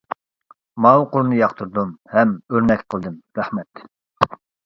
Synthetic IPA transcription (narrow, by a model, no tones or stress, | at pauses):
mɑwuqʰolˠnɨjɑqt̪ʰuɾd̪umhɛmøɾnɛkʲqʰəlˠd̪ɨmɾɛhmɛt̪